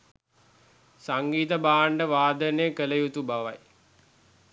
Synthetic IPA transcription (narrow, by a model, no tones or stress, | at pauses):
saŋɡiːt̪əbaːɳɖəʋaːd̪ənejəkələjut̪ubaʋaj